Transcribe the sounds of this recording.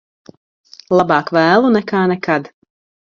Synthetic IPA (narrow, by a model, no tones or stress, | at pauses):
lˠɑbɑːkvæːlˠunɛkaːnɛkad̪